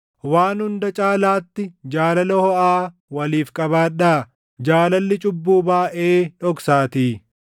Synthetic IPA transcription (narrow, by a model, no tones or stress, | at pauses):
waːnhʊnd̪ɐt͡ʃʼaːlaːt̪ːɪd͡ʒaːlɐlɐhɔʔaː | wɐliːfkʼɐbaːᶑaː | d͡ʒaːlɐlːɪt͡ʃʼʊbːuːbaːʔeːᶑɔksaːt̪iː